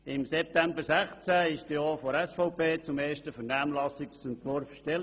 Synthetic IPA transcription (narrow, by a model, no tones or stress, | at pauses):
ɪmsɛp̚t̪æmbəɾsæχt͡sæɪʃtjɔːfoɾɛsfɔʊpeːt͡sʊmeːʃtəfənæːmlɑsɪksɛntʋɔɾfʃtɛl